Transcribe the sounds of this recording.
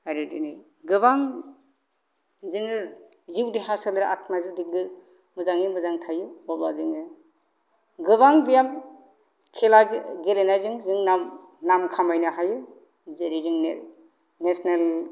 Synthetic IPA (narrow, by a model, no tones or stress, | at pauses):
haɾɯdini | ɡɯβaŋ | zɯŋɯ | ziwdihasalɾʔatʰmaziwdiɡɯ | mɯzaŋimɯzaŋtʰajubɔblaziŋɯ | ɡɯβaŋbijam | kʰelaɡelenazɯŋzɯŋnam | namkʰamajnɯɦajɯ | zeɾizɯŋ | nesnel